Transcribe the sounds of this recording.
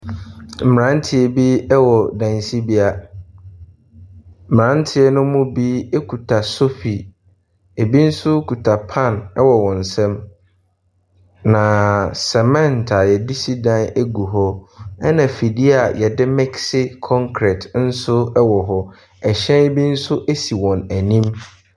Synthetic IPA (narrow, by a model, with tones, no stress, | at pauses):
m̩˨ã˨˦n̩˦tʰɪ˨e˨bi˦ɛ˦wɔ˨dã˨nsi˦bi˦a˨ | m̩˨ã˦n̩˦tʰɪ˦ɛ˦nʊ̃˦mʊ̃˦bi˦e˦kʰu˨tʰa˨so˦fi˨ | e˨bi˦n̩˦sʊ˦kʰu˨tʰa˨pʰã˦˨nɛ˦wɔ˨wɔ̃˨n̩˨sɛ̃˦m | nã˨sɛ˨mɛ̃˦ntʰa˨jɛ˨di˦si˦dã˦ne˦ɡu˨ɦɔ˦ɛ˦nã˨fi˨di˦a˨jɛ˨dɪ˦mɛ˦ksɪ˦kʰɔ̃˦ŋkʰɾɛ˨tn̩˦sʊ˦ɛ˦wɔ˨ɦɔ˦ | ɛ˨ɕɛ̃˦e˦bi˦n̩˦sʊ˦ʔe˦si˨wɔ̃˨næ˨nĩ˦m